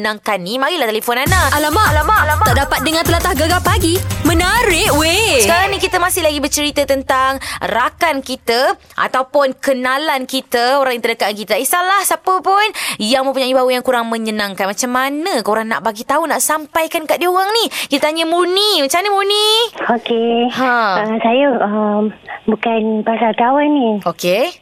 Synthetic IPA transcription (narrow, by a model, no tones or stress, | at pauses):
naŋkanːimaɡilaht̪elefɔnanaʔalamalamaʔlamaaʔdapat̪̚dəŋant̪əlat̪ahɡaɡapaɡimə̃naɾɪʔwesəkaɾaŋnĩkit̪əmasɪhlaɡibət͡ʃəɾit̪ət̪ənt̪aŋrakankit̪ə | ʔa̰t̪awpʊnkənalankit̪əoɾaŋjaŋt̪ərdəkaʔnkit̪aisalahsapəpʊnjaŋmə̃mpuɲaʔibawujaŋkuɾaŋmə̃ɲənãŋkanmat͡ʃamːanəkoɾaŋna̰ʔbaɡit̪aunaʔsampajkankaʔdiəoɣaŋnikit̪t̪aɲəmunimat͡ʃamanəmuniokeɦãəsajəəmbukanpasalt̪awanːioke